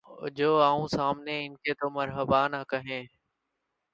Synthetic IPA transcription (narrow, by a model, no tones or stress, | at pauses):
d͡ʒoːaːũːsaːmneːɪnkeːt̪oːməɾɦəbaːnakəɦẽː